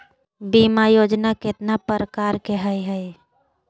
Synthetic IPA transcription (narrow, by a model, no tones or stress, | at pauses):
bimajoːd͡ʒnakɪt̪napəɾəkaːɾkeɦəjɦɛ